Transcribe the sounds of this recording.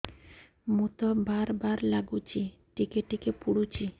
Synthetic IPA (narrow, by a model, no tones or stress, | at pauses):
mut̪obaɾbaɾlaɡut͡ɕʰi | ʈikeʈikepuɽut͡ɕi